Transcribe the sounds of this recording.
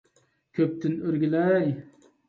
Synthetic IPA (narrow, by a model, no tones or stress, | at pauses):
kʲʰɵp̚t̪ʰɪnøɾɡʲilaj